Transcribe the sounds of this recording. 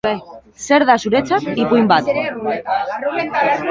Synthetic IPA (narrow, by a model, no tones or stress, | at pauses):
seɾðasuɾet͡sat̪ːipuimbat̪